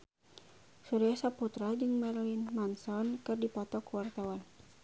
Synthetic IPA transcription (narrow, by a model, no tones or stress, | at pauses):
suɾijasaput̪ɾad͡ʒɨŋmɛrlinmansɔnkɨrdipɔt̪ɔkuwart̪awan